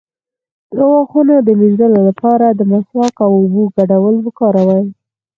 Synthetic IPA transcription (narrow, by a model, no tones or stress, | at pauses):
d̪̥ɾawɑxunod̪əmeʒd̪əlolapɑɾad̪əmaswakawʊbuɡaɽawəlbəkɑɾawaj